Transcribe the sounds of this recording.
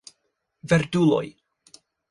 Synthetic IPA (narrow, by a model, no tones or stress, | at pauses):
vɛrdʊlʊ̰j